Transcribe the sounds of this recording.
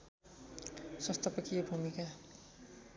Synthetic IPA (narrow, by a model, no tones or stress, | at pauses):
sʌst̪ʰʌpʌkijebʱumika